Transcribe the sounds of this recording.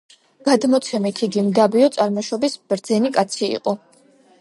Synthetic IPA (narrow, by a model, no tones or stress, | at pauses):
ɡ̥ad̪mɔt̪sʰɛmit̪ʰiɡimd̪abiɔt̪sʼaɾmɔʃɔbisb̥ɾd̪zɛnikʼat̪sʰiḭqʼɔ